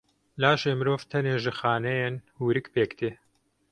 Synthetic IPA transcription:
laːʃeːmɨɾoːvt̪ʰɛneːʒɨxaːnɛjenhuːɾɨkpeːkt̪eː

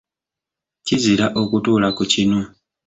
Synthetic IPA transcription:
ciziɾaʔo̞kutuːlakucino

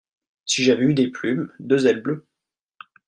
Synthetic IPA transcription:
siʒavɛyd̪eplymd̪øzɛlblø

